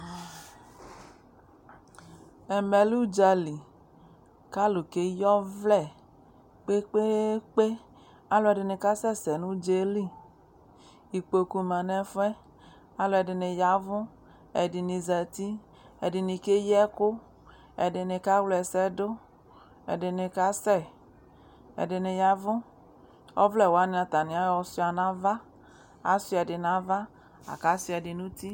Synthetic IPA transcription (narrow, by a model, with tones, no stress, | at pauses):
ɛ˨mɛ˨lu˦d͡ʒa˨li˨ | ka˦lo˨ke˦jɔ˦vlɛ˦˨ | k͡pe˦k͡pe˦k͡pe˦ | a˦lo˨˦ɛ˨de˨ne˨ka˦sɛ˦sɛ˨nũ˦d͡ʒe˦li˦˨ | i˨k͡po˨ku˨mã˨nɛ̃˨fɛ˦ | a˦lo˨ɛ˨dɪ˨ne˨ja˨˦vʊ̃˦ | ɛ˨di˨nĩ˨zɛ˨t̪i˦ | ɛ˨di˨nĩ˨ke˦jɛ˦kʊ˦ | ɛ̰˨dɪ˨ne˨ka˦wlɛ˨sɛ˦do˦ | ɛ̰˨dɪ˨ne˨ka˦sɛ˦˨ | ḛ˨dɪ˨ne˨ja˨vʊ̃˦ | ɔ̰˦vlɛ˨wa˦nĩ˨˦ã˨t̪a˨nĩ˨a˦jɔ˨si˦a˨nã˦va˦ | a̰˦si˦ɛ˨dɪ˨nã˦va˦ | a̰˨ka˦si˦ɛ˨di˨nũ˦t̪i˦